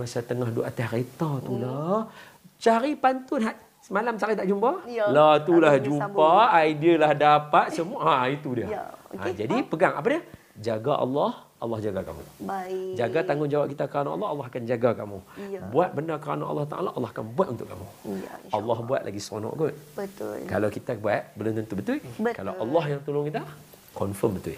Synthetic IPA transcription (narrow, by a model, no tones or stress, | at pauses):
masat̪əŋahduʔat̪asret̪at̪ula | t͡ʃaɾipant̪ʊnɦaʔ | səmalamt͡ʃaɾit̪aʔd͡ʒumbalat̪ulahd͡ʒupaːidiəlahdapat̪̚səmuaait̪udiəã̰d͡ʒadipəɡaŋa̰p̬adiə | d͡ʒaɡaʔɑ̰lːɑh | ɑlːɑhd͡ʒaɡaka̰mṵ̃d͡ʒaɡat̪aŋɡʊnd͡ʒawap̚kit̪akəɾanãʔlːɑɦːlːɑɦakand͡ʒaɡakamũbuat̪̚bənakəɾanaʔːlːɑht̪a̰ʔa̰laʔːlːɑhɦakanbuat̪ʔunt̪ʊ̰ʔkːamualːɑɦbua̰t̪̚lʔa̰ɡisonɔ̰̃ʔɡʊt̪̚bət̪lkalawkit̪abuat̪̚bəlunt̪ənt̪ubət̪ʊlkalaʔalːɑɦjaŋt̪olʊŋkit̪a | kɔnfəmbət̪ʊ̰